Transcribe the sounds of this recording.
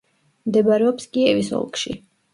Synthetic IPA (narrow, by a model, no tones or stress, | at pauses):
md̪ɛbaɾɛɔpskʼiɛvisɔ̰lˠkʼʃḭ